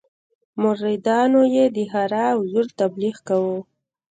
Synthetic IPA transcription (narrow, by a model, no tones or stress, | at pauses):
mʊɾid̪ɑnojed̪əhaɾawzʊɾt̪abliɣkawu